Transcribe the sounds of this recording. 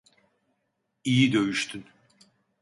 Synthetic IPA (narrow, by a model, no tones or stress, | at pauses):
ijid̪ø̞jyʃt̪ʰyn